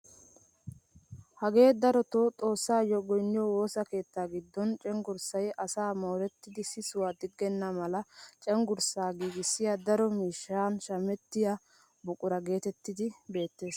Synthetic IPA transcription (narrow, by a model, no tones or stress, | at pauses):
hɐɡe̞ːd̪ɐɾɔt̪ot̪ʼo̞ːsːaːjɔɡɔjnːɪjɔwo̞ːsɐke̞ːt̪ːaːɡɪd̪ːɔnt͡ʃʼɛŋɡʊɾsɐjɐsaːmo̞ːɾɛt̪ːɪd̪ɪsɪsʊwaːd̪ɪɡːɛnːɐmɐlɐt͡ʃʼɛŋɡʊɾsaːɡiːɡɪsːɪjad̪ɐɾɔmiːʃːaːnʃɐmɛt̪ːɪjɐ | bʊkʼʊɾɐɡe̞ːt̪ɛt̪ːɪd̪ɪbe̞ːt̪ːe̞ːs